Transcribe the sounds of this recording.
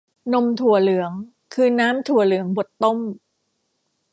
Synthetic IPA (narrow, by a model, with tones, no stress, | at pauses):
no˧mt̪ʰu˨˩ɐlɯ˨˩˦əŋ | kʰɯː˧naː˦˥mt̪ʰu˨˩ɐlɯ˩˦əŋbo˨˩t̪ːo˥˩m